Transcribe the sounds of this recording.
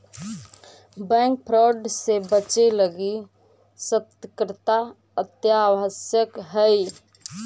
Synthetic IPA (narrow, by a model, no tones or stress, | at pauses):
bɛ̃ŋk̚pʰɾɔɖsebət͡ʃeləɡi | sət̪kɾət̪a | ət̪jaʋəsjəkɦəi